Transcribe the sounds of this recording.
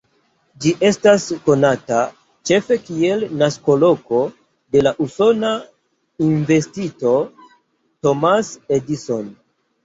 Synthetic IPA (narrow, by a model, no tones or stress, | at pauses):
d͡ʒiʔe̞stasko̞nata | t͡ʃe̞fe̞kie̞lnasko̞lo̞ko̞ | de̞laʔuso̞na | inve̞stito̞ | to̞masediso̞n